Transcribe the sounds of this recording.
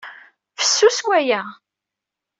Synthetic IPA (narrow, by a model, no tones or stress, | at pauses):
fə̥sːuswæjæ